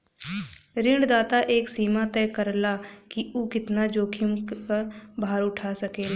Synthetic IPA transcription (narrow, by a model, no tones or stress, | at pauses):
ɾɪɳɖd̪aːt̪aʔeːksiːmat̪ɛːkəɾlakiʔukɪt̪nad͡ʒoːkʰɪmkəɾbʱaːɾʊʈʰasəkeːl